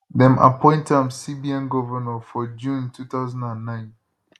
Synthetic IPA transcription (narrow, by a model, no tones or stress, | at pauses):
ðɛ̃mʔa̰pʰɔ̃ɪ̃ntãmsibiãnɡɔvənəfɔd͡ʒũntʰuθaʊzãndãnːãɪ̃n